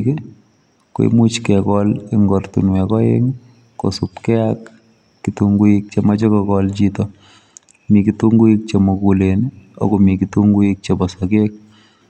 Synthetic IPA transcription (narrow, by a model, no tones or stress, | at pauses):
ke | ko̰ḭmut͡ʃkɛkɔlɪŋɡɔrtṵnwɛkɔjḛŋ | ko̰supkɛakː | ituŋɡuik̚t͡ʃemat͡ʃɔkɔkɔlt͡ʃitɔ | mikituŋɡuik̚t͡ʃemokulenɔ̰komikituŋɡuik̚t͡ʃebɔsakek̚